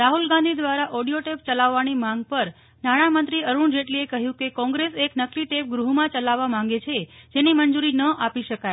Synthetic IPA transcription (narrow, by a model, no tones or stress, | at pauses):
ɾaɦulɡãnd̪ʱid̪ʋaɾaʔɔɽijoʈep̚t͡ʃəlaʋːanimãŋɡ̚pəɾ | naɽ̃amənt̪ɾiəɾuɳd͡ʒeʈliekəɦjũkekɔ̃ŋɡɾeseknəkliʈep̚ɡɾuɦmãt͡ʃəlaʋːamãŋɡet͡ʃʰed͡ʒenimənd͡ʒuɾinəʔapiʃəkaj